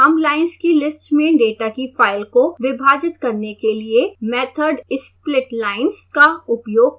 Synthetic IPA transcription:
əmlaːɪnskilɪsʈmẽɖeːʈakifʰaːɪlkoʋɪbʱaːd͡ʒɪt̪kɐɾnekeliemɛːt̪ʰəɾɖɪsplɪʈlaːɪnskaʊpjoːɡ̚

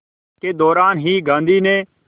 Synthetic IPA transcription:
keːd̪ɔːɾaːnɦiːɡãːnd̪ʱiːnẽː

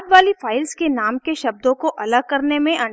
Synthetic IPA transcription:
d̪ʋaːlifaːɪlzkenaːmkeʃɐb̚d̪õkoʔɐləɡ̚kɐɾnemẽʔɐ

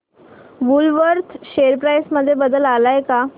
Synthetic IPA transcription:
ʋulʋəɾt̪ʰɕeɾpɾajsməd̪ʱːjebəd̪əlalajeka

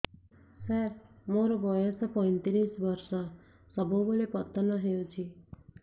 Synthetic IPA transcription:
sʌɾmoɾobʱʌjosʌpʌjnt̪iɾisbʌrsʌ | sʌbʌ̃bolepʌt̪ːʌnʌɦeot͡sʰi

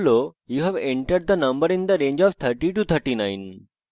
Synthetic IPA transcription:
lojuɦɛʋɛ̃ɳʈəɾɖ̚d̪ənɐ̃mbəɾɪ̃nd̪əɾẽːɲd͡ʒɔʋt̪ʰəɾʈiʈut̪ʰəɾʈinãj̃n

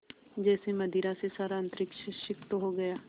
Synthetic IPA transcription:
d͡ʒɛːseməd̪iːɾasesaːɾaə̃nt̪ɾɪkʃəʃɪkt̪oɦoɡɐjaː

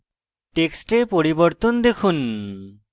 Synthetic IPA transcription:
ʈeksʈepoɾiboɾt̪ond̪ekʰun

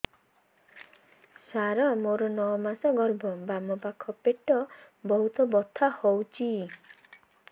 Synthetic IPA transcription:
saɾɔmoɾɔnɔwmasɔɡɔɾbɔbamɔpakʰɔpeʈɔ | bɔɦut̪ɔbɔt̪ʰahowt͡ʃʰi

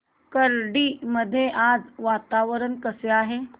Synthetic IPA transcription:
kəɾɖiːməd̪ʱːjeʔad͡zʋat̪aʋəɾənkəseaːɦe

